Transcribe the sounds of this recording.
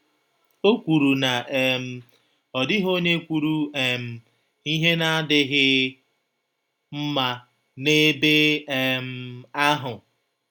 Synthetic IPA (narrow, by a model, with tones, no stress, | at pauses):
o˦kʷu˨ɾu˨na˨ʔe˨m̩˨ | ɔ˨dɪ˦ɦo˦ɲe˦kʷu˨ɾu˨e˨m̩˨ | i˦ɦe˦na˦a˦dɪ˦ɣɪ˦ | m̩˦ma˨ | ne˦be˦e˦m̩˦a˦ɦʊ˨